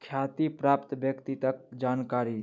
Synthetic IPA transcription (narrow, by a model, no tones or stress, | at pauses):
kʰjat̪ipɾapt̪bjəkt̪it̪ək̚d͡ʒankaɾi